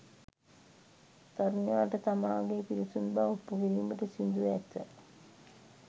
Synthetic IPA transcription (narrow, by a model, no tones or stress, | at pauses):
t̪aɾnejaːʈət̪amaːɡepiɾisunbaupːuɦiliməʈəsind̪uʋɛt̪ːə